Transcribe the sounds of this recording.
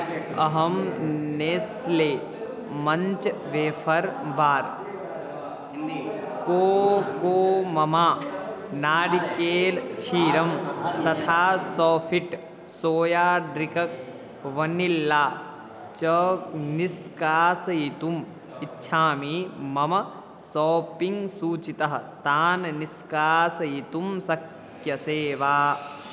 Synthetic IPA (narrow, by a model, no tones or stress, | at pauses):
ɐɦɐmneːsleː | mɐ̃ɲt͡ʃʋeːfʰɐɾbaːɾ | koːkoːmɐmaː | naːɽikeːlt͡ʃʰiːɾɐmt̪ɐt̪ʰaːsɔːfʰiʈ | soːjaːɖɾikɐk | ʋɐnilːaː | t͡ʃɐkniskaːsɐjit̪um | itːʃʰaːmiːmɐmɐ | sɔːpiŋɡsuːt͡ʃit̪ɐɦɐt̪aːnniskaːsɐjit̪umsɐk | jɐseːʋaː